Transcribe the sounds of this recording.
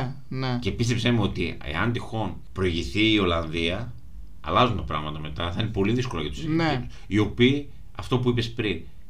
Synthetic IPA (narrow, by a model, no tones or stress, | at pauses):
nece̞pist̪e̞psemeo̞t̪iḛɐnd̪ixo̞n | pɾo̞iʝiθiːo̞lɐnðiɐ | ɐ̰lɐzunt̪ɐpɾɐ̰ɣmɐt̪ɐme̞t̪ɐθɐine̞po̞liðisko̞lɐ̰jʝɐt̪u̥ssiniu̥s | io̞piː | ɐft̪o̞puipe̞spɾin